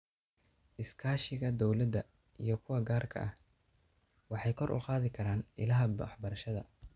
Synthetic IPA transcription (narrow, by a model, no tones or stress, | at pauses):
ʔɪskʰaːʃɪɣɐd̪ɔwlɐd̪ːɐ | ʔijɞkʰʊwɐɡaːrkʰɐ̰ʔɐh | wɑħɑjkʰɔrʔʊ̰qɑːðɪkʰɐɾaːnɪ̰lɐɦɐbɐ̰ħbɐɾɐʃɐðɐ